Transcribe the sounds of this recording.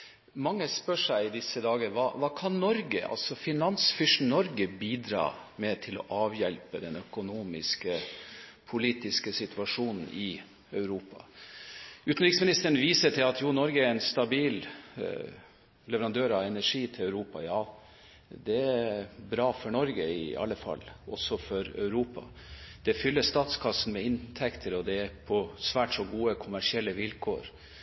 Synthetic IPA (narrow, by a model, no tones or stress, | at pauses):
mɑŋːəspœʂæɪɪd̪ɪsəd̪ɑːɡəɾʋɑ̰ːʋɑːkʰɑnnɔɾɡə̰ʔɑ̰lsɔfɪnɑnsfʏʂnɔɾɡəbiːd̪ɾɑ̰ː | mɛt̪ʰɪlɔ̰ʔɑːʋjɛlpəd̪ɛnœkʊnuːmɪskəpʰʊliːt̪ɪskəsɪt̪ʰʉɑʂuːnn̩ɪ | œʉɾuːpɑ̰ | ʉːt̪n̩ɾɪksmɪnɪst̪əɾən̩ʋiːsəʈʰɪlɑt̪juːnɔɾɡəæɾɛnst̪ɑbiːl | lɛʋəɾɑnd̪øːɾɑʋɛnæʂiːt̪ʰɪlœʉɾuːpɑ̰jɑː | d̪ɛæbɾɑːfɔɳɔɾɡəɪɑ̰lːəfɑ̰lːɔsɔfɔɾœ̰ʉɾuːpɑ̰ | d̪̥ɛfʏlːəst̪ɑːt̪skʰɑsn̩mɛɪnt̪ʰɛkt̪ʰəɾɔd̪ɛæpʰɔsʋæːʈʂɔɡuːəkʰʊmæʂɪɛlːəʋɪlkʰo̰ːɾ